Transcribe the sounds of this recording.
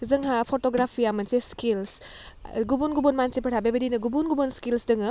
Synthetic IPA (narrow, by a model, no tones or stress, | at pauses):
zɐŋɦapʰotoɡɾapʰijamɐnseskils | ɡubunɡubonmansepʰɐʈʰabebɐdinɐɡubunɡubonskilsdɯŋɯ